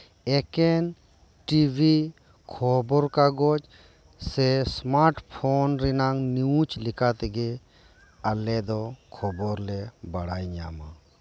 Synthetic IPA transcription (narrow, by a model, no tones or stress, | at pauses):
ɛkɛn | ʈibʱi | kʰɔbɔɾkaɡɔt͡ʃ | sɛsmaɾʈpʰɔnɾinaŋniũt͡ʃlikat̪ɛɡɛ | alɛd̪ɔkʰɔbɔɾlɛbaɽajɲa̰ma